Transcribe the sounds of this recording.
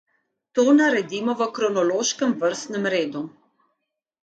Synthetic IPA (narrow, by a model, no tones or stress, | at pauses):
t̪oːnaɾɛd̪iːmɔʋəkɾɔnɔloːʃkəmvəɾst̪nɛmɾeːd̪u